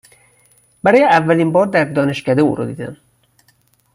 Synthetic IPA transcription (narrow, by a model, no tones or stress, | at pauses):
bæɾɒːjeævːæliːnbɒːɾd̪æɾd̪ɒːne̞ʃcæd̪eṵːɾo̰d̪iːd̪æm